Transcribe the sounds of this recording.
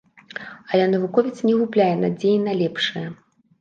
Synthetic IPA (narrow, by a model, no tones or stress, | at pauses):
ɐlʲɛnɐvukɔvʲit̪snʲɛɣuplʲajɛnad͡zʲejinalʲɛpʂɨjɐ